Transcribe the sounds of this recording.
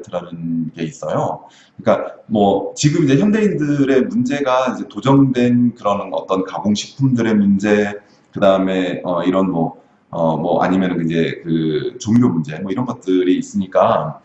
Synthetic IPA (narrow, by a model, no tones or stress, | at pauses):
tʰɯɾanɯnɡe̞is͈ʌjo | kɯɲik͈amwʌt͡ɕiɡɯmid͡ʑe̞çjʌnde̞indɯɾe̞mund͡ʑe̞ɡaind͡ʑe̞tod͡ʑʌŋdwe̞nkɯɾʌnʌ̰t͈ʌnkamoŋɕʰi̥k̚pʰumdɯɾe̞mund͡ʑe̞ | kɯdaɯme̞ʌiɾʌnmwʌ | ʌmʌʔa̰ɲimjʌnɯnind͡ʑe̞kɯt͡ɕoŋɾjomund͡ʑe̞mwʌiɾʌnɡʌt̚t͈ɯɾiːs͈ɯɲik͈a